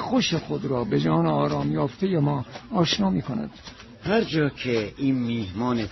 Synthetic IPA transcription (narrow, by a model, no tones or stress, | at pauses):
xoʃexod̪ɾɒːbed͡ʒɒːneɒːɾɒːmjɒːft̪ʰejemɒːɒːʃnɒːmiːkʰonæ̰d̪̥ | hæɾd͡ʒɒːkʰeiːnmiːhmɒːne